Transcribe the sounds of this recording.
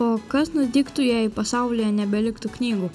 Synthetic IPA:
oːkɐsnʊd̪ʲiːkt̪ʊjæːipɐsɑˑʊlʲɪjɛnʲɛbʲɛlʲɪkt̪uknʲiːɡuː

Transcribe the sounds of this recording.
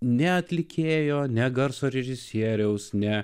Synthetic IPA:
nʲɛɐt̪ʲlʲɪkʲʰeːjoːnʲɛɡɐɾsoːɾʲɛʒʲɪsʲiɛɾʲɛʊsnʲɛ

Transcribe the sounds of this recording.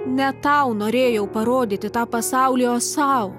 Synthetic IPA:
nʲɛt̪ɑˑʊnoːɾʲeːjɛʊpɐɾoːd̪ʲɪt̪ʲɪt̪ɑːpɐsɑˑʊlʲɪjoːsɑʊ

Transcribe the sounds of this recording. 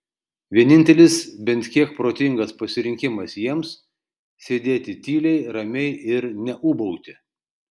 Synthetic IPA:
ʋʲiɛnʲɪnʲt̪ʲɛlʲɪsbʲɛnʲt̪ʲkʲiɛk̚pɾoːt̪ʲɪŋɡɐspɐsʲɪɾʲɪŋʲkʲɪmɐsjiɛms | sʲeːd̪ʲeːt̪ʲɪt̪ʲiːlʲɛɪɾɐmʲɛɪɪɾnʲɛʔʊbɔʊt̪ʲɪ

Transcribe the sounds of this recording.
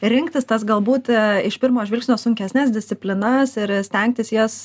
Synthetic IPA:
ɾʲɪŋkt̪ʲɪst̪ɐsɡɐlˠbuːt̪ɪʃpʲɪɾmoːʒʋʲɪlʲksʲnʲoːsʊŋʲkʲɛsʲnʲæːsd̪ʲɪsʲt̪sʲɪpʲlʲɪnɐsɪɾsʲt̪ʲɛŋk̚t̪ʲɪsjɛs

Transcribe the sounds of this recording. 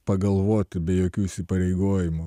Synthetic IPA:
pɐɡɐlˠʋoːt̪ʲɪbʲɛjoːkʲuːɪsʲɪpɐɾʲɛɪɡoːjɪmʊ

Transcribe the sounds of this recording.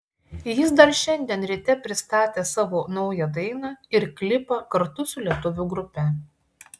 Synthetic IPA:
jɪs̬d̪ɐɾʃʲɛnʲd̪ʲiɛnɾʲɪt̪ʲɛpʲɾʲɪst̪ɑːt̪ʲeːsɑːʋoːnɒʊjɛd̪ɐɪnɑɪɾkʲlʲɪpɐkɐɾt̪ʊsʊlʲiɛt̪ʊʋʲuɡɾʊpʲɛ

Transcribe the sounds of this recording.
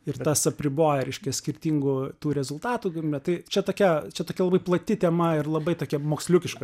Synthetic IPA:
ɪɾt̪ɐsɐpʲɾʲɪboːjɛɾʲɛɪʃʲkʲɛsʲkʲɪɾʲt̪ʲiːŋɡʊt̪uːɾʲɛzʊlˠt̪ɑːt̪uːɡɪɛt̪ɐɪt͡ʃʲɛt̪oːkʲɛt͡ʃʲɛt̪oːkʲɛlˠɐbɐɪplˠɐt̪ʲɪt̪ʲɛmɐɪrlˠɐbɐɪt̪oːkʲɛmoːksʲlʲʊkʲɪʃkɐ

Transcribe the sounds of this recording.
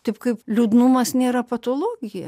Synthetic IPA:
t̪ʲɐɪpkɐɪplʲuːd̪numɐsnʲeːɾɐpɐt̪oːlˠoːɡʲɪjɛ

